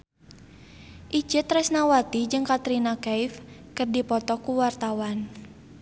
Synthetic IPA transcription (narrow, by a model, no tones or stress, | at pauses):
ʔid͡ʒɨt̪rɛsnawat̪id͡ʒɨŋkat̪ɾinakaifkɨrdipɔt̪ɔkuwart̪awan